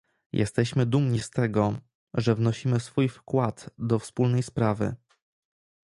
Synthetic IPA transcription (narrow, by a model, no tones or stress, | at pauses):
jʔɛ̰st̪ɛɕmɘd̪umɲist̪ɛɡɔ | ʐɛvnɔɕimɘsfujfkwad̪d̪ɔfspulnɛjspɾavɘ̰